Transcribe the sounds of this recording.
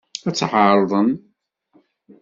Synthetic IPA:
æt͡sːħɑɾˤðˤən

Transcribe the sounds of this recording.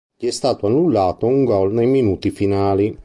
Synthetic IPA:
ʎiɛst̪aːt̪oanːulːaːt̪ouŋɡɔlnejminuːt̪ifinaːli

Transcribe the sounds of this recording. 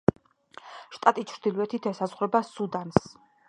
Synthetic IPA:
ʃt̪ʼat̪ʼit͡ʃʰɾd̪iluɛt̪ʰit̪ʰɛsazʁɾɛbasud̪ans

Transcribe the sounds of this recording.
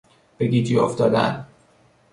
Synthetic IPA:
b̥eɡiːd͡ʒiːo̰ft̪ɒːd̪æ̰n

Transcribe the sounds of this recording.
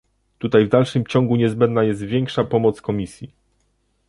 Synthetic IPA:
t̪ut̪ajvd̪alʂɘmt͡ɕɔŋɡuɲɛzbɛnd̪najɛst̪vʲjɛŋkʂapɔmɔt̪skɔmʲisʲji

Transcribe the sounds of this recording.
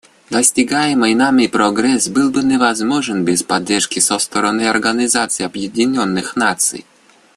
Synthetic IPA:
d̪ɐsʲtʲɪɡajɪmɨjnamʲɪjpɾɔɡɾɛsbɨlˠbɨnʲɪvɐzmoʐɨnbʲɪspɐdʲːerʂkʲɪsɔst̪əɾɐnɨjɐrɡənʲɪzat̪sɨjɐbjɪdʲɪnʲonːɨxnat̪sɨ̰j

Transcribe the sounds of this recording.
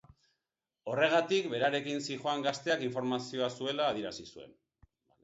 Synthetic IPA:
o̞re̞ɣ̞at̪ikbe̞ɾaɾe̞kinsixoaŋɡast̪e̞akiɱfo̞ɾmasio̞asue̞laːð̞iɾasisue̞̰n

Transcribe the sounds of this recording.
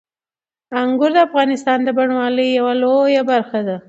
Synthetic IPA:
aŋɡʊɾd̪əafɣɑnɪst̪ɑnd̪əbaɳwɑləjjawalojabaɾxad̪a

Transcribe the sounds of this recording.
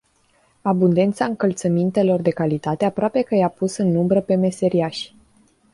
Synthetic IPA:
abund̪e̞nt̪saɨŋkəlt̪səmint̪e̞lo̞rd̪e̞kalit̪at̪e̞apɾoape̞kəjapusɨnːumbɾəpe̞me̞se̞ɾiaʃʲ

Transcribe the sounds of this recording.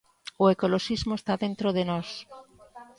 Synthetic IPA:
oekoloʃizmoest̪aðẽnt̪ɾoð̞enos

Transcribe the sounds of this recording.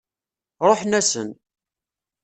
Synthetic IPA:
ɾˤoħnæsə̰n

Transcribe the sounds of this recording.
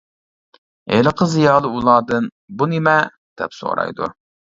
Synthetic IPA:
ḛləqʰəzijɑːlˠɨulˠɑːd̪ɨn | bunɪmɛ | d̪̥ɛ̰pso̰ɾɑ̰jd̪ṵ

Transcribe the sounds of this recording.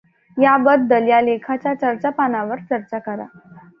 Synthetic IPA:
jabəd̪̚d̪ːəljalekʰat͡ɕjat͡ɕəɾt͡sapanaʋəɾt͡səɾt͡sakəɾa̰

